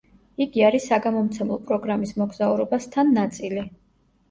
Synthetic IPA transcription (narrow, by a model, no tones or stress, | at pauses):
iɡiaɾisaɡamɔmt̪sʰɛmlˠɔpʼɾɔɡɾamismɔɡzauɾɔbast̪ʰanːat̪sʼili